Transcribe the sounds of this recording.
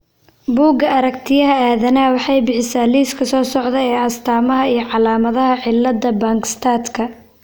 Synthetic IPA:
buːɡɐɐɾɐkt̪ʰɪjɐɦɐaːðɐnaːwɑħɑjbɪħɪsaːliːskʰɐsɔːsɔʕðɐɛːɐst̪ʰaːmɐɦɐijɞʕɑlaːmɐðɐɦɐʕɪlːɐd̪ɐbaːŋkst̪ʰaːt̪kʰɐ

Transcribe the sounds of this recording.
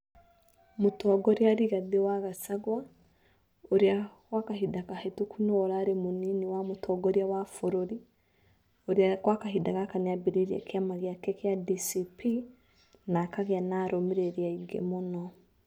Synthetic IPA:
motɔɡɔɾeaɾiɣaðewaɣasaɣwa | oɾeakwakaɦidakahetokʰunɔːɾaːɾemoniniwamotʰɔːɡɔɾiawafoɾoɾi | oɾeakwakaɦidaɣakaneabiɾeɾia̰keamaɣeakɛkeadisipʰi | nakaɣeanaːɾomeɾeɾiaiɡḛmonɔ

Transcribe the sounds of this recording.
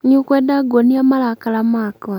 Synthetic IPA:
ɲukwedaɡoniamalakalamaka

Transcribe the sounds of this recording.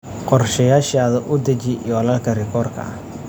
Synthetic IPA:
qɔrʃɐjaːʃaːðɐʔʊd̪ɐt͡ʃɪjɔlɐːlkʰɐrɪkʰɔːrkʰɐ̰ɐh

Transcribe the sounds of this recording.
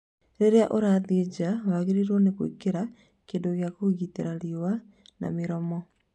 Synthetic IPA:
ɾeɾeaʔoɾaːðed͡ʑawaɣeɾiɾɔnekwḛkeɾa | keːndoɣjakoɣiteɾaɾiwa | na̰meɾɔmɔ

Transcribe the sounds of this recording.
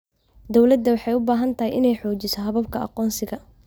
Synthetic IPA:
d̪ɔwlɐd̪ːɐwɑħɑjʊbaːɦɐnt̪ʰɐɦɛjʔɪnɛjħɔːt͡ʃɪsɔɦɐβɐbkʰɐɑ̰qɔːnsɪɣɐ

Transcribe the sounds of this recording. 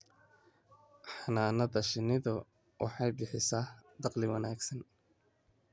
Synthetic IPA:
ħɑnaːnɐðɐʃɪnɪðʊ | wʔɑ̰ħɑjbɪħɪsaːhd̪ɑqlɪwɑnaːɡsɐn

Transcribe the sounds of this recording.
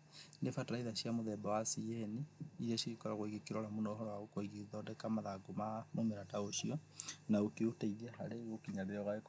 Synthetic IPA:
nefatɾaiðaʃjamoðɛbawasiɛniːɾiaʃiɣikɔɾaɣoiɣekiɾoɔɾamunɔhɔaɣokoiɣiðɔdɛkamaðaɡomamomeɾataoʃiɔnaɣokiutaiðiaɦaɾeɣokiɲaβeaɣwaek

